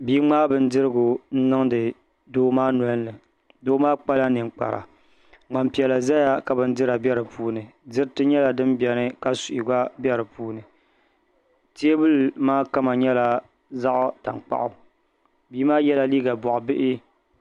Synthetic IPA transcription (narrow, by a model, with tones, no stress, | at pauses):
biː˦ŋ͡maː˦bɨ˦n̩˦dɨ˦ɾɨ˦ɡʊ˨n̩˦nɨ˦ŋdɨ˨ | doː˦maː˦n˨ɔ˨˦n˦lɨ˨ | doː˦maː˦k͡pa˦la˦nɨ˨ŋ˨k͡pa̰˨ɾa̰˨ | ŋ͡ma˨mpi˨ɛ˨la˨za˦ja˦ka˨bɨ˦n˦dɨ˦ɾa˨bʲɛ˦ɾɨ˨pʰuː˦nɨ˨dɨ˦ɾtɨ˦ɲɛ˦la˨dɨ˦mbɛ˨nɨ˦ka˦su˨ʔi˨ɡa˦bjɛ˦ɾɨ˨puː˦nɨ˨ | ti˦e˦bɨ˦lmaː˦ka˦ma˨ɲɛ˦la˨ | za˦ʔʊ˦ta̰˨ŋk͡pa̰˦˨ʔʊ˨ | biː˦maː˦jɛ˦la˨liː˦ɡa˨bɔ˨ʔʊ˨bɪ˦ʔɪ˦